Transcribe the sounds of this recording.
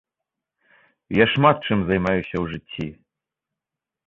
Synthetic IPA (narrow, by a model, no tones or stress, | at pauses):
jaʂmat̪̚t͡ʂɨmzajmajuɕʲɐwʐɨtʲʰːi